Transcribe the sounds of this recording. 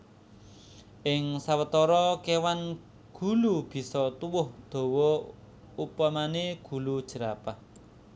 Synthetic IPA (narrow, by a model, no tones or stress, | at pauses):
ʔɪŋsawət̪ɔɾɔkewan | ɡ̥ṳlub̥i̤sɔt̪uwʊhd̪̥o̤wɔ | upamaneɡ̥ṳlud̥ʒ̥ə̤ɾapah